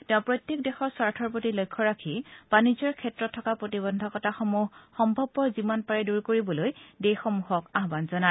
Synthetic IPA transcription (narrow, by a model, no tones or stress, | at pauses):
tɛ̃ʊ̃pɹojtjek̚dɛxɔɹsaɹtʰɔɹpotilojkʰːɔɹakʰib̥anizɔɹkʰɛtɹɔtʰːɔkapɹotibɔndʱɔkɔtaxɔmuɦxɔmbʱɔbːɔzimanpaɹɛduɹkoɹibɔlojdexɔmuɦɔkaɦbanzɔna